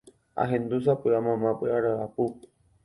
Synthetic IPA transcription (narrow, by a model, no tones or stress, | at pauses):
a̰ɦẽnd̪us̬apɨamãmãpɨaɾaapu